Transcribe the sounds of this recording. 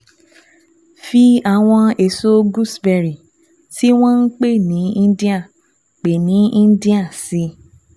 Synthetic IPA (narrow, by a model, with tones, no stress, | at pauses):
fi˧a˨w̃ɔ̃˧e˨so˦ɡu˦sbɛ˧˨ɾi˨ | ti˦w̃ɔ̃˦n̩˦k͡pe˦˨nĩ˨˦ĩ˦di˦a˦˨ | k͡pe˨nĩ˨˦ĩ˦di˦a˦˨si˧˦